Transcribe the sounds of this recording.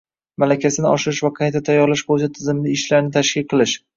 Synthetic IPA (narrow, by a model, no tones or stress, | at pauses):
malakʲʰasɪnɪɒʃɪɾɪʃvaqʰɑjt̪ʰat̪ʰajːɒɾlaʃbolɪt͡ʃʰat̪ʰɪzɪmɪd̪ɪɪʃlaɾnɪt̪ʰaʃkʲɪlqʰɨlˠɪʃ